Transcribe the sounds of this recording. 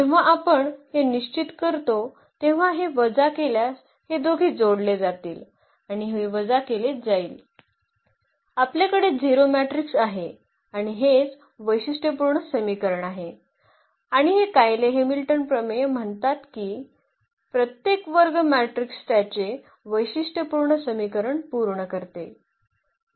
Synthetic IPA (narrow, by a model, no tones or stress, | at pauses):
t̪eʋ̤aʔapəɳheniɕt͡ɕit̪kəɾt̪o | t̪eʋ̤aɦeʋəd͡zakeljas | hed̪oɡʱiːd͡zoɽled͡zat̪iːl | aɽ̃iɦiʋəd͡zakeled͡zaiːl | apljakəɽed͡ziɾomæʈɾiksaɦe | aɽ̃iɦet͡s | ʋəjɕiʂʈepuɾɳəsəmikəɾəɳaɦe | aɽ̃iɦekajleɦemilʈənpɾəmejəm̤əɳt̪at̪kiː | pɾət̪jekʋəɾɡmæʈɾikst̪jat͡ɕe | ʋəjɕiʂʈepuɾɳəsəmikəɾəɳpuɾɳəkəɾt̪e